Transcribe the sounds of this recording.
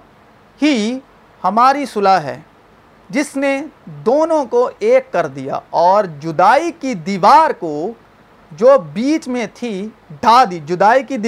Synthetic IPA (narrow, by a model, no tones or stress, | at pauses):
hi | hɐmaːɾisʊlaɦɛ̰ː | d͡ʒɪsned̪oːnõkoʔeːkːɐɾd̪ija̰ːɔːɾd͡ʒʊd̪aːikid̪iːʋaːɾko | d͡ʒoːbiːt͡ʃmẽt̪ʰi | ɖʱaːd̪id͡ʒʊd̪aːikid̪